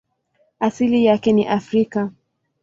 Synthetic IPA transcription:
asilijakɛniʔafɾika

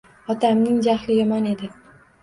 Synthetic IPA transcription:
ɒt̪ʰamnɪŋd͡ʒahlɪjɒmɒne̞d̪ɪ

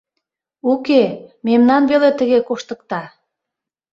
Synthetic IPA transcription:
ukememnɑnβelet̪əɣekoʃt̪ə̆k̚t̪ɑ

